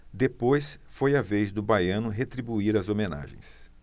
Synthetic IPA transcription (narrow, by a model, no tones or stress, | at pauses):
d̪epojsfojɐvejzd̪ʊbajɐ̃nʊɦet̪ɾibuiɾɐzomena̰ʒḛ̃j̃s